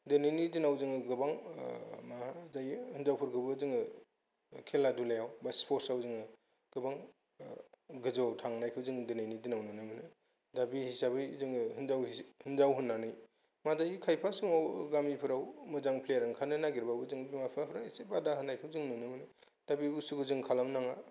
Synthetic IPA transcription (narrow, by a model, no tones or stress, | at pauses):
denɯjnidinawzɯŋɯɡɯbaŋmazajhɯnzawpʰɯɾkʰɯbɯzɯŋɯ | kʰeladulajawbaspʰoɾsawzɯŋɯ | ɡ̥ɯbaŋ | ɡɯzatʰaŋnajkʰɯwzɯŋdenajnidinawnɯnɯmɯnɯ | dabihisabɯjzɯŋhɯnzawhɯnzawɦɯnːanɯj | madajikʰajpʰasuŋawɡamipʰɯɾawmɯzaŋpʰlejaɾɯŋkʰanɯnaɡiɾbabɯzɯŋbimapʰɾapʰɾaisebadaɦɯnajkʰɯwzɯŋnɯnɯmɯnɯ | d̥abibusuɡɯzɯŋkʰalamnaŋa